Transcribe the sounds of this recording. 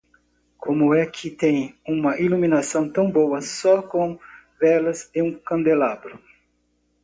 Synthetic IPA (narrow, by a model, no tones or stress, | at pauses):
kʰõmʊɛkʰɪt̪ẽj̃ũmɐʔiluminasɐ̃w̃t̪ɐ̃w̃bowɐsɔkõ | vɛlɐzẽũkɐ̃nd̪elabɾʊ